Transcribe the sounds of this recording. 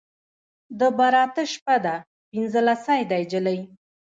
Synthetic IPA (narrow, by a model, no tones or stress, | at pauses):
d̪əbaɾɑt̪əʃpad̪a | pinzəlasajd̪ajd͡ʒələj